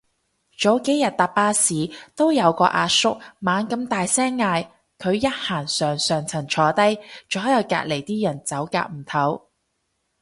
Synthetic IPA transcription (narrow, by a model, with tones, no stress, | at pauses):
t͡ʃo˨˥wke˨˥jjɐ˨t̚t̪aː˨p̚paː˧siː˨t̪o˥wjɐ˨˧wkɔː˧ʔaː˧sʊ˥k̚maː˨˧nkɐ˧mt̪aː˨jsɛː˥ŋːaː˧j | kʰɵ˨˧ɥjɐ˥t̚haː˨˩nsœː˨˩ŋsœː˨ŋt͡sʰɐ˨˩ŋt͡ʃʰɔː˨˧t̪ɐ˥jt͡sɔː˨˥jɐ˨˧wka̰ː˧t̚le˨˩jt̪iː˥jɐ˨˩nt͡sɐ˨˥wka̰ː˧k̚m̩˨˩t̪ʰɐ˨˥w